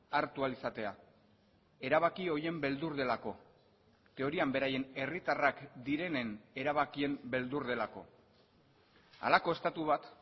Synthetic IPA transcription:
aɾt̪ualisat̪e̞a̰ | e̞ɾaβ̞akio̞je̞mbe̞ld̪uɾðe̞lako̞ | t̪e̞o̞ɾiambe̞ɾaje̞ne̞rit̪arakd̪iɾe̞ne̞ne̞ɾaβ̞akie̞mbe̞ld̪uɾðe̞lako̞̰ | a̰lako̞e̞st̪at̪uβ̞at̪

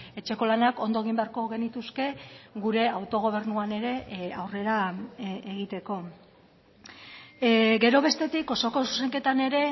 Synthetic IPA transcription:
e̞t͡ʃe̞ko̞lanako̞nd̪oeɣ̞imbeaɾko̞ɣe̞nit̪uske̞ɣuɾe̞awt̪o̞ɣ̞o̞β̞e̞ɾnuane̞ɾe̞awre̞ɾaeɣ̞it̪e̞ko̞ | ɡe̞ɾo̞β̞e̞st̪e̞t̪iko̞so̞ko̞suse̞ŋke̞t̪ane̞ɾe̞

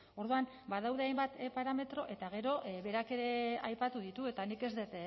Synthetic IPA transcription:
o̞ɾðuan | bað̞awðe̞ajmbat̪paɾame̞t̪ɾo̞ʔe̞t̪aɣ̞e̞ɾo̞ʔβe̞ɾake̞ɾe̞ajpat̪uðit̪ue̞t̪anike̞zd̪et̪

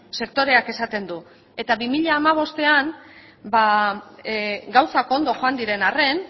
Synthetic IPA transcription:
se̞k̚t̪o̞ɾe̞ake̞sat̪e̞nd̪u | e̞t̪aβimiʎaːmaβ̞o̞st̪e̞an | ba | ɡawsako̞nd̪o̞xoand̪iɾe̞nare̞n

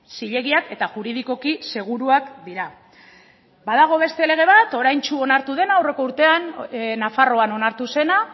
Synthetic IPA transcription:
siʎe̞ɣiake̞t̪aʝuɾiðiko̞kise̞ɣ̞uɾuakd̪iɾa | baðaɣ̞o̞β̞e̞st̪e̞le̞ɣ̞e̞β̞at̪o̞ɾajnt͡ʃuo̞naɾt̪uðe̞naːwre̞ko̞uɾt̪e̞annafaro̞ano̞naɾt̪use̞na

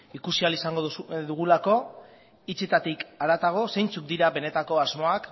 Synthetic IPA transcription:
ikusialisaŋɡoðuɣ̞ulako̞ | it͡set̪at̪ikaɾat̪aɣ̞o̞se̞jnt͡suk̚d̪iɾaβe̞ne̞t̪ako̞azmo̞ak

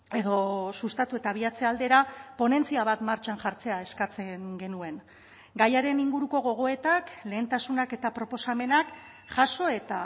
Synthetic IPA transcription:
e̞ðo̞sust̪at̪ue̞t̪aβ̞iat͡se̞ald̪e̞ɾapo̞ne̞nt͡siaβ̞at̪maɾt͡ʃanʝaɾt͡se̞ae̞skat͡se̞ŋɡe̞nue̞ŋ | ɡajaɾe̞niŋɡuɾuko̞ɣ̞o̞ɣ̞o̞e̞t̪akle̞ːnt̪asunake̞t̪apɾo̞po̞same̞nak | ʝaso̞e̞t̪a

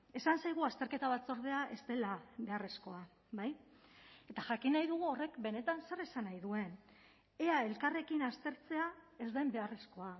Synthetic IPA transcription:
e̞sansajɣ̞uast̪e̞ɾke̞t̪aβat͡so̞ɾðe̞aʔe̞st̪e̞laβe̞are̞sko̞a | baj | e̞t̪aʝakinajðuɣ̞uo̞re̞kbe̞ne̞t̪anse̞ɾe̞sanajðue̞n | e̞ae̞lkare̞kinast̪e̞ɾt͡se̞ae̞zd̪ajmbe̞are̞sko̞a

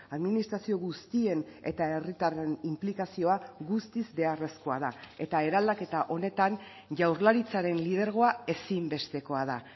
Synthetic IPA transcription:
aðminist̪ɾasio̞ɣust̪ie̞ne̞̰t̪ae̞rit̪arenimplikasio̞aɣust̪izbe̞are̞sko̞aðae̞t̪ae̞ɾald̪ake̞t̪aʔo̞ne̞t̪an | ʝawɾlaɾit͡saɾe̞nlið̞e̞ɾɣ̞o̞ae̞simbe̞st̪e̞ko̞aða

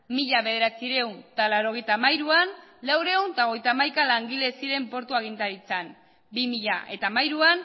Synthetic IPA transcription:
miʎaβe̞ðe̞ɾat͡siɾe̞wnt̪alawɾo̞ɣ̞e̞jt̪amajɾuanlawɾe̞uwnt̪aoɣ̞ejt̪aːmajkalaŋɡile̞siɾe̞mpo̞ɾt̪uaɣ̞int̪aɾit͡san | bimiʎaʔe̞t̪aːmajɾuan

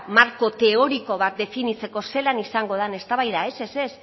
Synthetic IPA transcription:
maɾko̞t̪e̞o̞ɾiko̞β̞at̪̚d̪e̞finit͡se̞ko̞se̞lanisaŋɡo̞ð̞ane̞st̪aβajðae̞se̞se̞s

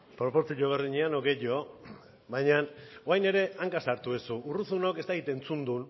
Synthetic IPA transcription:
pɾo̞po̞ɾt͡siʎoβ̞eɾðiɲeanoɡe̞ʎo̞ | βajɲanoajne̞ɾe̞aŋkasaɾt̪uesuːruθunoke̞st̪akit̪e̞nt͡sund̪un

